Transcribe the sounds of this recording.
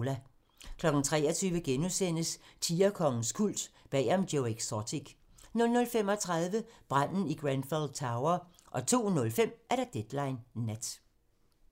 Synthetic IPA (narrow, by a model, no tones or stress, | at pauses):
læ | kʰlɒ̽ɡ̥n̩t͡sʰʁɛ̰ːɒt͡sʰyːʋəɡ̥enusen̰əst͡sʰiːɐkʰɒ̽ŋn̩skʰul̰d̥b̥ɛ̰ːɑmɡ̥joʊeɡ̥sɒt͡sʰiɡ̥ | nɔ̽lnɔ̽lfem̰ɒ̽t͡sʰʁɑ̈ð̞ˠʋəb̥ʁan̰n̩iɡ̥ʁæn̥fɔld̥̚t͡sʰɑ̈ʊɐ | ʔɒ̽t͡sʰo̝̰ːnɔ̽lfem̰ʔæɐɾ̥ɑd̥ed̥lɑ̈ɪnːæd̥